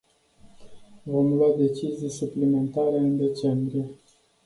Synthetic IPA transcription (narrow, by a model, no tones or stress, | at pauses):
vo̞mlwad̪e̞t͡ʃizijsuplime̞nt̪aɾe̞ɨnd̪e̞t͡ʃe̞mbɾije̞